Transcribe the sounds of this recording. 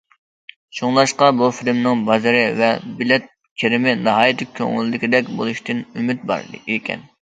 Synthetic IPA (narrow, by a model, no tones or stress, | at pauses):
ʃʰoŋlˠɑʃqɑbufilmnɪŋbɑzɨɾɪvɛbilɛt̪̚ | kʲʰeɾɪmɪnɑɦɑːjit̪ʰɪk̚ʲkʲʰø̰ŋɪlɪd̪ɪkʲid̪ɛkʲbolˠuʃt̪ʰɨnymɪt̪̚bɑ̰ɾd̪̰ikʲʰɛ̰n